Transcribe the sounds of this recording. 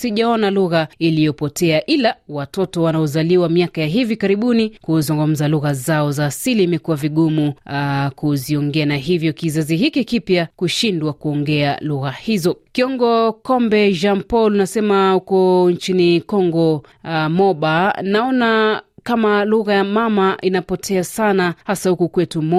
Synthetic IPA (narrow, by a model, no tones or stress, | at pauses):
siʄaɔnaluɣailijɔpɔtʰɛaʔilawatɔtɔwanaɔzaliwamiakajaɦivikaɾiɓunikuzuŋɡum̩zaluɣazaɔzaːsiliːmɛkuwaviɠumukuziɔŋɡɛanaɦivjɔkizaziɦikikipjakuʃindwakuɔŋɡɛaluɣahizɔkiɔŋɡɔkɔmbɛʒampɔlunasɛmahukɔɲt͡ʃinikɔŋɡɔ | mɔɓanaɔnakamaluɣajamamaʔinapɔtʰɛasanahasahukukwɛtumɔ